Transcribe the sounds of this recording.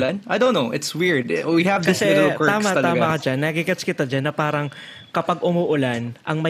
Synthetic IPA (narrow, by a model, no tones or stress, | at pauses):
lanajdõnːoʔɪt̪swɪɹd̪̚wihɐvɐsɛɪɾlkt̪aːmɐt̪ɐlɐaːɡmɐkɐd͡ʒanːɐkikɐt͡ʃkɪt̪ad͡ʒanːɐpaːɾɐŋ | kɐpɐɡ̚ʔʊmuːʔʊlanʔɐŋmɐ